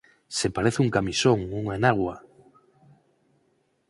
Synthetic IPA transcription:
sepaɾeθuŋkamisoŋuŋaenaɣwa

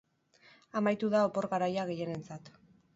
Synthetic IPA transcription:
amajt̪uðao̞po̞ɾɣaɾajaɣe̞je̞ne̞nt͡sat̪

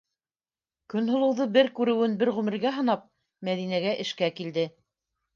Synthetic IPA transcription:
kɵ̆nɦŏlˠɤ̆wðɤbɘɾkʉɾɘ̆wɘnbɘɾʁʉmɘ̆ɾɡæɦɤ̆nɑp̚ | mæðinæɡæʔɘ̆ʃkækild̪ɘ

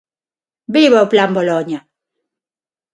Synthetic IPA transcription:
biβawplamboloɲa

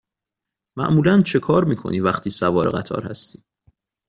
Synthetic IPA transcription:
mæ̰ʔmuːlænt͡ʃʰe̞kʰɒːɾmiːkʰo̞̰niːvæχt̪ʰiːsævɒːɾeɣæ̰t̪ʰɒ̰ːɾhæ̰st̪i̥ː

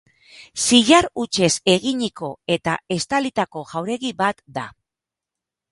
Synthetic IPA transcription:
siʎaɾut͡ʃe̞se̞ɣiɲiko̞e̞t̪ae̞st̪alit̪ako̞ɣawɾe̞ɣiβat̪d̪a̰

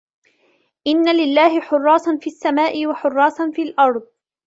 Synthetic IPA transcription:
ʔɪnːalɪlːaːhɪħʊrˤːɑːsˤɑnfiːʔasːamaːʔɪwaħʊrˤːɑːsˤɑnfiːlʔɑɾˤd̪ˤ

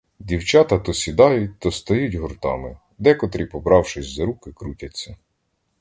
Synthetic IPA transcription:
dʲiwt͡ʃɑt̪ɐt̪ɔsʲid̪ɑjʊt̚ʲt̪ɔst̪ɐjutʲɦɔrt̪ɑ̰mɪ | d̪ɛkɔt̪ɾʲipɔbɾɑwʃɪsʲzɐɾukɪkɾutʲɐt͡sʲːɐ

